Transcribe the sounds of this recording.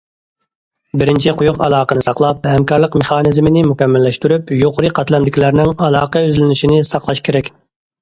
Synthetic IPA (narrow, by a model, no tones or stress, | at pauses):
bɪɾɪnt͡ʃʰiqʰʊjuqɑ̰lˠɑːqənɨsɑqlˠɑp̚hɛmkɑɾlˠəqmeχɑːnɪzmɪnɪmukʲɛmːælːɛʃt̪yɾypjoqʰʊɾɨqʰɑt̪lˠɑmd̪ɪkʲilæɾnɪŋɑlˠɑːqɑøzlɪnyʃinɪsɑqlˠɑʃkʲʰeɾɛkʲ